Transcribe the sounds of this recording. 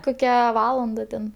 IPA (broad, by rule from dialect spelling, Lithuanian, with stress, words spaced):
ˈkoːkʲɛ ˈʋɑːlˠɐndɐ tʲɛn